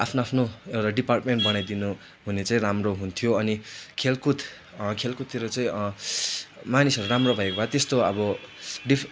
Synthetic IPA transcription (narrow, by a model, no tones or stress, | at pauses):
apʰnoapʰnoewt̪aɖiparʈmeɳʈ̚bʌnajd̪inu | ɦunet͡saĩramroɦunt̪ʰijoʌnikʰelkut̪ | kʰelkut̪ʰiɾut͡saĩ | manisʌɾuɾamrobʱʌekobʱat̪est̪oʌbʌɖi